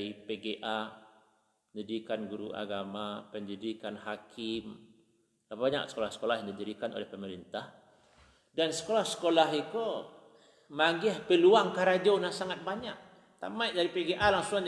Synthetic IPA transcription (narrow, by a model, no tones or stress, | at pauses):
ipeɡeʔa | pəɲd͡ʒədikanɡuɾṵʔa̰ɡamapəɲd͡ʒədikanɦakʰɪm | labbaɲa̰ksə̥kolahsə̥kolahjandid̪iɾikano̰lɛhpəməɾint̪ah | dansə̥kolahsə̥kolaɦiko | maɡɪhpəluaŋkaɾad͡ʒonasaŋat̪̚baɲak̚ | t̪a̰majʔdaɾipeɡeʔalaŋsuŋan